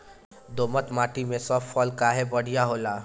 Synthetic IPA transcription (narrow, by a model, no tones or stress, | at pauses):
d̪omət̪maʈimesɔffʰɔlkaɦebəɽ̤ijaɦola